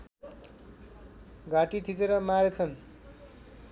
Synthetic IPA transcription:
ɡaʈit̪ʰit͡seɾʌmaɾet͡sʰʌn

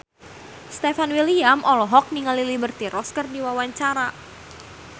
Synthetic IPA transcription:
st̪ɛfanwiliamʔɔlɔɦɔk̚niŋalilibərt̪iɾɔskərdiwawaɲt͡ʃaɾa

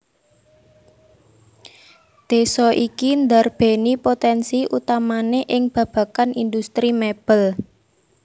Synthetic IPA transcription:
d̪̥e̤sɔʔikind̪arb̥e̤nipot̪ɛnsiʔut̪amaneʔɪŋb̥ä̤b̥ä̤kanind̪ust̪ɾimeb̥əl

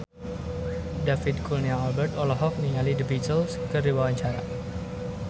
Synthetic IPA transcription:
dafɪt̪̚kulnjaːlbərt̪ɔlɔɦɔk̚niŋalidəbit̪əlskərdiwawaɲt͡ʃaɾa

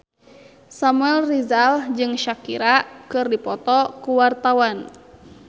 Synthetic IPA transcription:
samuɛlrizald͡ʒɨŋʃakiɾakɨrdipɔt̪ɔkuwart̪awan

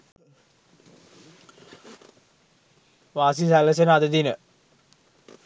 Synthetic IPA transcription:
ʋaːs̬isæləs̬ənəad̪əd̪inə

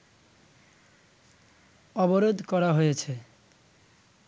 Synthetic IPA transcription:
ɔboɾod̪ʱkɔɾaɦojet͡ɕʰe

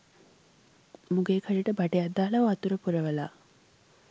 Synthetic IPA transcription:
muɡeːkʰɐɭiʈəbaʈejad̪ːaːlɐuat̪uɾəpuɾəʋəla̰ː

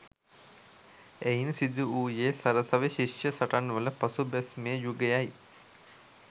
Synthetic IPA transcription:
ejnsid̪ʱuuːjeːsɐɾəsɐʋeɕiʂjəsɐʈanːʋələpɐsubæsmejəjuɡejaj

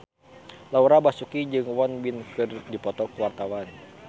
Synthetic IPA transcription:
lauɾabasukid͡ʒɨŋwɔnbinkɨrdipɔt̪ɔkuwart̪awan

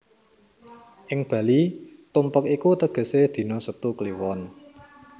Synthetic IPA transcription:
ʔɪŋb̥ä̤lit̪umpəkikut̪əɡ̥ə̤sed̪̥i̤nɔsət̪ukliwɔn

